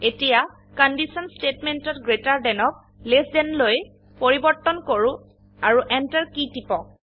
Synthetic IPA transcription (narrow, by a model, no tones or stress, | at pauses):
etija | kɔndisɔnstetmentɔtɡɹetaɹdɛnɔk̚ | lesdɛnloj | poɹibɔɹtːɔnkoɹũ | aɹuʔɛntaɹkitipɔ